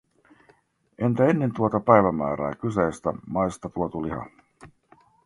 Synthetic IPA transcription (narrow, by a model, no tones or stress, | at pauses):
e̞nt̪æenːe̞nt̪uot̪ɑpæjʋæmæ̰ːɾæ̰ːkyseːst̪æmɑjst̪ɑt̪uot̪uliɦɑ̰